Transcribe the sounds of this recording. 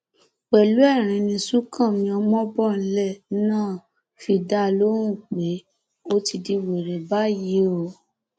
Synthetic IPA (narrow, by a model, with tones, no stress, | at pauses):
k͡pɛ˨lu˨˦ɛ˦˨ɾ̃ĩ˧nĩ˧su˦kʰã˦˨mĩ˧ɔ˧mɔ̃˦bɔ˦˨n̩˦lɛ˦˨nãː˦˨ | fi˧da˦˧lo˦ɾ̃ũ˦˨k͡pe˨˦ | o˦ti˧di˧we˨ɾɛ˨ba˨˦ji˨˦o˦˨